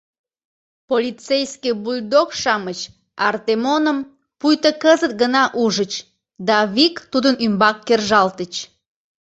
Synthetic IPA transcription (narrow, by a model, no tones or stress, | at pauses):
polʲit͡sejskibulʲd̪okʃɑmət͡ɕ | ɑrt̪emonəm | pujt̪əkəzət̪̚ɡənɑʔuʒət͡ɕ | d̪ɑβikt̪ud̪ənymbɑkːerʒɑlt̪ət͡ɕ